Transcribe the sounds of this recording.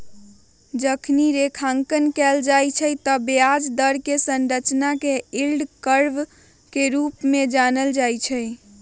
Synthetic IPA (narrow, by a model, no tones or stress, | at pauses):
d͡ʒəkʰniɾekʰaŋkənkɛld͡ʒajt͡ʃʰəjt̪əbead͡ʒd̪əɾkesənɾət͡ʃnakeilɖkəɾb | keɾupmed͡ʒanəld͡ʒajt͡ʃʰəj